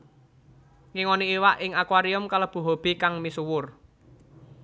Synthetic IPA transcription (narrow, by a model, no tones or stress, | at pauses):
ŋiŋoniːwaʔɪŋakwaɾiʊmkaləb̥ṳɦob̥i̤kaŋmisuwʊr